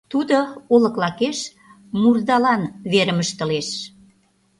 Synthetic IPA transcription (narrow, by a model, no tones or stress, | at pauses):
t̪ud̪oolə̆klɑkeʃ | murd̪ɑlɑnβeɾəməʃt̪ə̆leʃ